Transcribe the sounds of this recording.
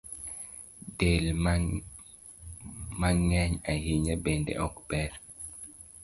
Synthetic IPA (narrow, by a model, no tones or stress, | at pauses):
del | maŋɛɲajiɲɛbendḛʔɔkbɛɾ